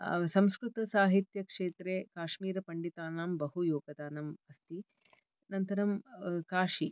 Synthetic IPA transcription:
sɐmskɾut̪ɐsaːɦit̪jɐkʂeːt̪ɾeːkaːʂmiːɾɐpɐɳɖit̪aːnaːmbɐɦujoːɡɐd̪aːnɐmɐst̪i | nɐnt̪ɐɾɐmkaːʂi

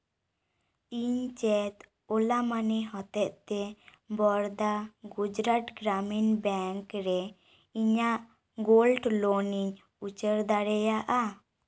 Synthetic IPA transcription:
iɲt͡ʃɛt̪ | ɔlamanɛɦɔt̪ɛʔ̪̚t̪ɛ | bɔɾd̪aɡud͡ʒɾaʈɡɾaminbɛŋkɾɛ | iɲaʔ | ɡolɖlɔoniɲ | ut͡ʃəɾd̪aɽɛjaʔa

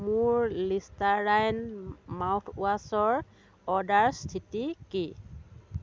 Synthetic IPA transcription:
muɹlistaɹajnmawtʰuasɔɹ | ɔdaɹstʰitiki

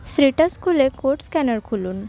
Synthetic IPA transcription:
sɾiʈəskʰulekʰoɾʈskænəɾkʰuluːn

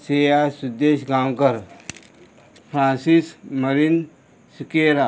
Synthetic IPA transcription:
seːjasud̪eːʃɡaːmkɐɾ | pʰɾãːnsismɐɾin | sikeːɾa

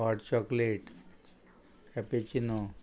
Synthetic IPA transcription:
aʈt͡ɕɔkleʈ | kɛpet͡ɕino

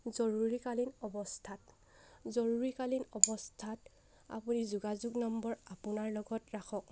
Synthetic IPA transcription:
zɔɹuɹikalinɔbɔstʰat | zɔɹuɹikalinɔbɔstʰat | a̰punizuɡazuɡnɔmbɔɹapunaɹlɔɡɔtɹaxʰɔk̚

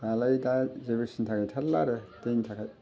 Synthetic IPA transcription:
ɡalajdazebesintʰakʰajtʰalːaɾetejntʰakʰaj

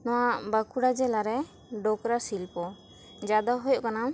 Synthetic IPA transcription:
nɔwaʔbakuɽad͡ʒɛlaɾɛ | ɖɔkɾasilpɔ | d͡ʒad̪aɦɔjɔʔkana

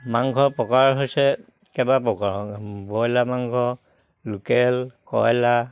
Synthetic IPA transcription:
maŋɡʱɔpɔkaɹɦojsɛ | kɛbapɔkabɔjlamaŋɡʱɔ | lukɛlkɔ̰jla

